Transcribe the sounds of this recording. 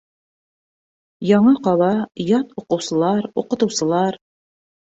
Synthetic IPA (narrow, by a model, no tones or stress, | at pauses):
jɑɴɤqɑlˠɑjɑt̪uqɤ̆wsɤ̆lˠɑɾuqɤ̆t̪ɤ̆wsɤ̆lˠɑɾ